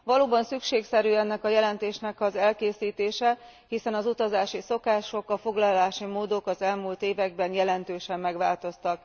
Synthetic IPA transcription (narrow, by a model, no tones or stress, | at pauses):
ʋɒloːbɒnsykʃeːksɛɾyːɛnːɛkɒjɛlɛnt̪eːʃnɛkɒzɛlkeːsiːt̪eːʃɛhisɛnɒzut̪ɒzaːʃiso̞kaːʃo̞kɒfo̞ɡlɒlaːʃimoːd̪o̞kɒzɛlmult̪eːvɛɡ̚bɛnjɛlɛnt̪øːʃɛmːɛɡʋaːlt̪o̞st̪ɒk